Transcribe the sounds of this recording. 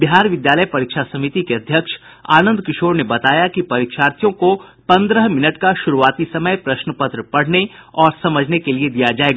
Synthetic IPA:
bɪɦaːɾʋɪd̪jaːləjpɐɾiːkʃasɐmit̪ikeɐd̪ʱjəkʃ | a̰ːnə̃nd̪kɪʃoːɾnebɐt̪aːjakipɐɾɪkʃaːɾt̪ijõko | pɐ̃nd̪ɾəɦmɪnəʈkaʃʊɾuaːt̪isɐməjpɾɐʃnəpət̪ɾəpɐɽ̤neɔːɾsɐməd͡ʒʱnekelied̪ijad͡ʒaːeːɡ

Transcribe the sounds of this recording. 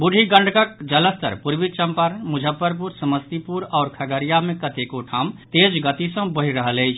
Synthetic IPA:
buɖʱiɡəɳɖʱkək̚d͡ʒələst̪ə̰ɾpuɾbit͡ʃəmpaɾmud͡ʒʱəpːəɾp̬uɾsəməst̪ipuɾɔːɾkʰəɡəɾijamẽkət̪ekoʈʰamt̪ed͡ʒɡət̪isə̃bəɦiɾəɦələɪt͡ʃʰ

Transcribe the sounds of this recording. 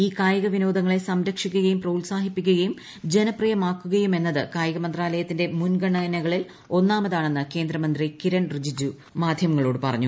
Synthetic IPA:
iːkaːjɐɣɐʋino̞ːd̪ɐŋːɐɭe̞sɐmɾɐkʂikʲːuɣɐjumprɐulsaːhipːikʲːuɣɐjum | d͡ʑe̞nɐprijɐmaːkːuɣɐjume̞nːɐðɨkaːjɐɣɐmɐnd̪raːlɐjɐt̪ːinde̞munɡɐɳːɐnɐɣɐɭil | o̞nːaːmɐðaːɳe̞nːɨke̞ːnd̪rɐmɐnd̪rikiɾɐnrɨd͡ʑid͡ʑu | maːd̪ʱjɐmɐŋːɐɭo̞ːɽɨpɐrɐ̰ɲːu

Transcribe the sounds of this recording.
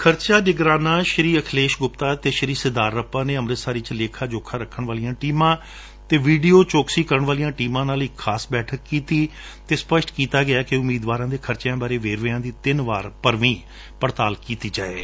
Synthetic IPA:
kʰəɾt͡ʃaːnɪɡɾaːnaːʃəɾiːəkʰleːʃɡʊpt̪aːt̪eːʃəɾiːsɪd̪aːɾːəpãːneːəmɾɪt̪saːɾiːt͡ʃleːkʰaːd͡ʒoːkʰːãːɾəkʰːəɳʋaːlijãːʈiːmãː | t̪eːʋiːɖiːoːt͡ʃoːksiːkəɾəɳʋaːlijãːʈiːmãːnaːliːkʰaːsbɛːʈʰəkːiːt̪iː | t̪eːspəʃʈkiːt̪aːɡɪaːkeʊmiːd̪ʋaːɾãːd̪eːkʰəɾt͡ʃejãːbaːɾeːʋeːɾʋeːãːd̪iːt̪ɪnʋaːɾpəɾʋĩː | pəɾt̪aːlkiːt̪iːd͡ʒa̰ːeː

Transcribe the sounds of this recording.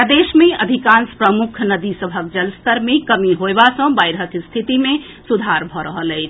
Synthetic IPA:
d̪esmeəd̪ʱikãnspɾəmukʰnəd̪isəbʱək̚d͡ʒəlst̪əɾmekəmiɦoebasə̃bajɾɦəkst̪ʰit̪ime | sud̪ʱaɾbʱɔɾəɦələɪt͡ʃʰ

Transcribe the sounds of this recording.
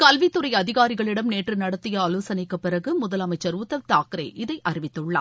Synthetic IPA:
kɐlʋɪt̪ːɯɾɐɪjɐðɪɣaːɾɪɣɐɭɪɽɐmneːʈrɯnɐɽɐt̪ːɪjɐːloːsɐnɐɪkːɯpːɪrɐɣɯmʊðɐlɐmɐɪt͡ʃːɐɾuːt̪ːɐʋt̪aːkɯɾɐ̰ʔɪðɐɪʔɐɾɪʋɪt̪ːɯɭːa̰ː

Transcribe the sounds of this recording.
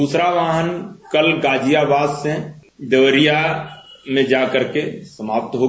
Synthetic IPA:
uːsɾaʋaːɦənkəlɡaːd͡ʒijabaːzsẽd̪əʋəɾija | mẽd͡ʒaːkəɾkesəmaːp̚t̪ɦoː

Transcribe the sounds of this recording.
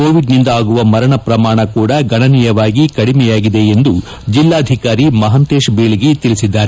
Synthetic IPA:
koːʋiɖnind̪ɐaːɡuʋɐmɐɾɐɳɐpɾɐmaːɳɐkuːɽɐɡɐɳɐnijɐʋaːɡikɐɽimɛjaːɡid̪e̞end̪u | d͡ʒilːaːd̪ʱikaːɾimɐɦɐnt̪eːʃbeːɭiɡet̪ilisid̪ːaːɾe

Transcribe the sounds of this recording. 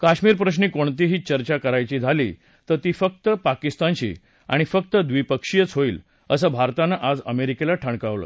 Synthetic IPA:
kaɕmiːɾpɾəɕ̬niːkoɳt̪iɦiːt͡ɕəɾt͡ɕakəɾajt͡ɕiːd͡zʱalḭː | t̪əɾt̪iːfək̚t̪əpakist̪ant͡ɕḭː | a̰ɽ̃ifək̚t̪əd̪ʋipəkʂijət͡sɦoiːl | əsəːbʱaɾt̪anəʔad͡zəmeɾikelaʈʰəɳkaʋlə̰ː

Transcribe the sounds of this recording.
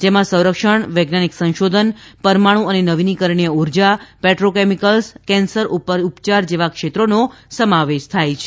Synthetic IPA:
d͡ʒemãsə̃w̃ɾəkʃəɳʋeɡnaniksə̃nʃod̪ʱənpəɾmaɽ̃ũənenəʋinikəɾɳijəuɾd͡ʒapɛʈɾokemikəlskɛ̃nsəɾʔupəɾupt͡ʃaɾd͡ʒeʋakʃet̪ɾonosəmaʋeʃt̪ʰajt͡ʃʰe̥

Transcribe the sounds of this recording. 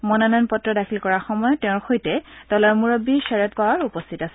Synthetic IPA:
mɔnɔnanpɔtɹɔdakʰilkɔɹaɹxɔmɔjɔtɛʊ̃ɹxojtɛdɔlaɹmuɹɔbisɛɹɛt̚pawaɹupɔstʰitasɛ

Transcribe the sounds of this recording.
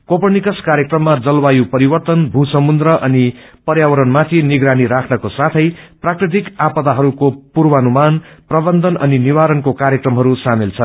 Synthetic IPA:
kopʌnikʌskaɾjekrʌmːad͡zʌlbajupʌɾibʌrt̪ʌnbʱusʌmund̪rʌʔʌnipʌɾjawʌɾʌnmat̪ʰiniɡɾaniɾakʰnʌkosat̪ʰʌjprakrit̪̬ikapʌt̪aɦʌɾukopurbʌːnumanprʌbʌnd̪ʱʌnʌ̰niniβaɾʌnkokaɾjekrʌmɦʌɾusamilt͡sʰʌ

